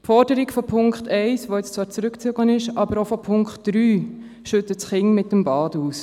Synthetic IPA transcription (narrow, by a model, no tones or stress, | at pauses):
fɔɾdəɾikfɔpʰʊŋkχtʰɛɪsʋojɛt͡st͡svɑːɾt͡sɾʉkt͡søɡlənɪʃʔɑbəɾofɔpʰʊŋkχtd̥ɾyː | ʃʏtətsχɪŋmɪtːəmbɑːduːs